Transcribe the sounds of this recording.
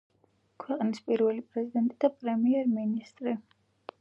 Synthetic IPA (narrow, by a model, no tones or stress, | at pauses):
kʰwɛqʼnispʼiɾvɛlipʼɾɛzid̪ɛnt̪ʼid̪̥apʼɾɛmiɛɾminist̪ʼɾi